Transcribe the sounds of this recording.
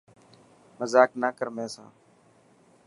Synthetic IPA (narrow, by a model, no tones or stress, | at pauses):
məzaːknaːkəɾmẽːsã̰ː